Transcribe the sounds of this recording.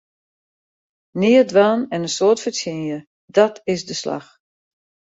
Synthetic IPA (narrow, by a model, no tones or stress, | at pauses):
nɪədʋaːnɛnənsoːtfəsjɪnjə | dɔtʰɪsdəsla̰x